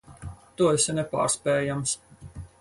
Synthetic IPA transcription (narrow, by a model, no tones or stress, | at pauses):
t̪uɔɛsʲɛnɛpa̰ːɾspʲɛːjams